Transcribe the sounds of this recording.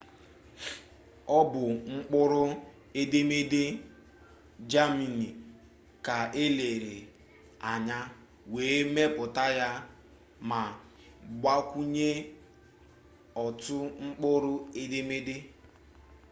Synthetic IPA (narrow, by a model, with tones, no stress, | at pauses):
ɔ˦bʊ˨ŋ͡m̩˦k͡pʊ˦ɾʊ˦ | e˦de˦me˦de˦ | d͡ʒa˦mi˨ni˨ | ka˨e˦le˨ɾe˨ | a˨ɲa˦ | weː˨˦me˦pʊ˨ta˦ja˦ | ma˨ | ɡ͡ba˦kʷu˦ɲe˦ | ɔ˨tʊ˦ŋ͡m̩˦k͡pʊ˦ɾʊ˦e˦de˦me˦de˦